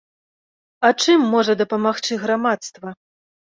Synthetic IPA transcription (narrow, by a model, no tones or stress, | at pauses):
ɐt͡ʂɨmːɔʐɐd̪ɐpɐmaxt͡ʂɨɣɾamat̪st̪vɐ